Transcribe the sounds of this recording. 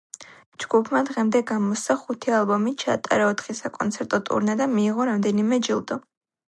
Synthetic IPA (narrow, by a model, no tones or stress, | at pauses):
d͡ʒɡ̥upʰmad̪ʁɛmd̪ɛɡamɔst̪aχut̪ʰialˠbɔmit͡ʃʰaːt̪ʼa̰ɾaɔt̪ʰχisakʼɔnt̪sʰɛɾt̪ʼɔt̪ʼṵɾnad̪amiːʁɔɾamd̪ɛnimɛd͡ʒilˠd̪ɔ